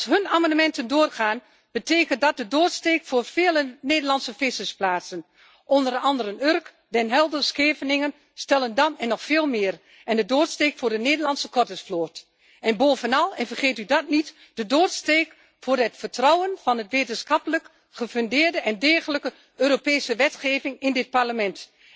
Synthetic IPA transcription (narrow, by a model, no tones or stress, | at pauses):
ɑsɦɵnaːmɑndəmɛntəndoːərχaːn | b̥əteːkəntdɔt̚dədoːtsteːkfoːrfeːləneːdərlɑnsəfɪsəsplaːtsən | ʔɔndərɑndərənørk | dɛnɦɛlˠdəskeːvənɪŋən | stɛlˠəndɑnɛnːɔxfeːlˠmɪːr | ɛndədoːtsteːkfʊːɹdəneːdəlɑnsəkɔtəsfloːt | ɛnboːvənɑlˠɛnfərχeːtydɑt̚nit | d̥ədoːtsteːk | fʊːrɦətfətrɔwənv̥ɑnɦətʋeːtənsxɑpələk | χəføndɪːɹdəʔɛndɛːɣələkə | øːɾopeːsəʋɛtχeːvɪŋɪndɪt̚paɹləmɛnt